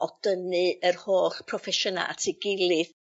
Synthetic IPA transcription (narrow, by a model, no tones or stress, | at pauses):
ɔd̥ənɨərhoːɬpʰrɔfɛʃəna̰lˠa̰tʰɪɡɪlˠɨð